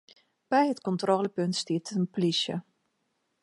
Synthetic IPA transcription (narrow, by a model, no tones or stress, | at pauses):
b̥ɛjɦətkɔntroːləpøntstiətʰəənplisjə̰